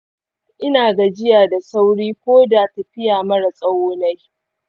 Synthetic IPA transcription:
ʔɪ˦naː˨ɡa˨d͡ʒɪ˦jaː˨da˨sa˦wɽiː˦kʷoː˦da˨tɐ˨ɸɪ˦jaː˨mɐ˦ɽa˨sʼɐ˦woː˦na˦j

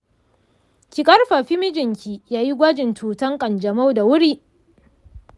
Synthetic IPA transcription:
kʲi˨kʼɐ˦rɸa˨ɸi˦mɪ˦d͡ʒɪ˨ŋkʲi˨jaː˦ji˦ɡʷa˦d͡ʒɪ˨ntʰuː˨tɐ˦ŋkʼɐ˨nd͡ʒɐ˨ma˦wda˨wʊ˦ɾiː˦

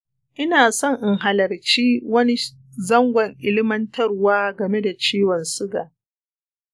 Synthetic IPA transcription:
ʔɪ˦naː˨sɔ˦˨ŋʔɪ˨ŋɦa˨lɐ˨rt͡ʃiː˦wɐ˦ni˦ | zɐ˦ŋɡʷɐ˨ŋʔɪ˦lɪ˦mɐ˦ntʰɐ˦rwaː˦ɡɐ˨me˦da˨t͡ʃiː˦wɔ˨nsʊ˦ɡaː˨

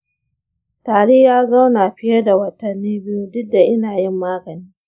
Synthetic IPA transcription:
taː˨ɽe˦jaː˦za˦wnaː˨ɸɪ˦jɐ˦da˨wɐ˦tɐ˨nːiː˦bɪ˦ju˦dʊ˦da˨ʔɪ˦naː˨jɪ˦mːaː˦ɡɐ˨niː˦

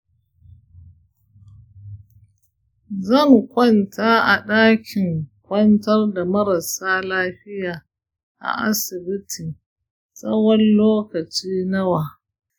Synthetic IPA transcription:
zɐ˦˨ŋkʷɐ˦ntʰaː˦ʔa̰˨ɗaː˦kʲʰɪ˨ŋkʷɐ˦ntɐ˦rda˨mɐ˦ɾɐ˨saː˦laː˦ɸɪ˦jaː˨ | ʔa̰˨ʔa̰˦sɪ˨bɪ˦tʰi˨ | sʼɐ˦wɔ˦nloː˦kɐ˨t͡ʃiː˦nɐ˦waː˨

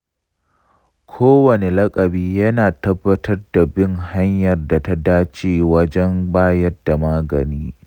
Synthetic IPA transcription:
kʷʰoː˦wɐ˨ne˨lɐ˦kʼɐ˨biː˦jɐ˦naː˨tɐ˦bːɐ˦tʰɐ˦rda˨bɪ˦ŋha˦ɲjɐ˨rda˨ta˦daː˦t͡ʃeː˦wɐ˦d͡ʒɛ˦mbaː˦jɐ˦rda˨maː˦ɡɐ̰˨niː˦

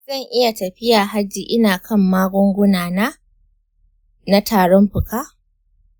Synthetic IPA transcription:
zɐ˦˨ŋʔɪ˦ja˨tɐ˨ɸɪ˦jaː˨ɦa˦d͡ʒiː˨ʔɪ˦naː˨kʰɐ˦˨mːaː˦ɡʷʊ˦ŋɡʷʊ˦naː˨naː˦ | na˦tʰaː˨ɽɔ˦mɸɪ˨kaː˦

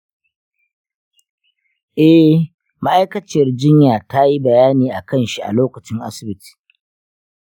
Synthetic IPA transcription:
ʔɛ˦ | ma˦ʔa˦jkɐ˨t͡ʃɐ˨rd͡ʒɪ˦ɲjaː˨ta˦ji˦bɐ˨jaː˦niː˨ʔa˨kɐ˦nʃi˦ʔa̰˨loː˦kɐ˨t͡ʃɪ˦ŋʔa̰˦sɪ˨bɪ˦ti̥ː˨

